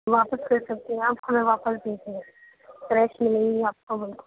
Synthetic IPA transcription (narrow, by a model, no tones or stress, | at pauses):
ʋaːpəskɐɾsɐk̚t̪iɦɛ̃aːpkɐmẽʋaːpəsbeːseɛ̃ | fɾɛːʃmɪlẽĩaːp̚kobɪlko̥